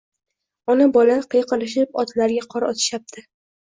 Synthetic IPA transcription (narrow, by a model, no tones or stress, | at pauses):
ɒnabɒlaqʰɨjqʰɑlɪʃ̬ɪpɒt̪ʰlaɾɡʲaqʰɒɾɒt̪ʰɪ̥ʃap̚t̪ʰɪ